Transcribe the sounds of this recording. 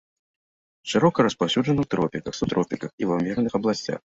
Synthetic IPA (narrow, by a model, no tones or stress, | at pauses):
ʂɨɾɔkɐɾɐspawsʲud͡ʐɐnɨwt̪ɾɔpʲikɐxsut̪ɾɔpʲikɐxivɐwmʲɛrnɨxɐblˠasʲt͡sʲa̰x